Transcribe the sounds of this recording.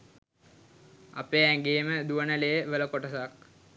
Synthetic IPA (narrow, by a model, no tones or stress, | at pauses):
a̰peæŋɡeːməd̪uʋənəlejəʋələkoʈəsak̚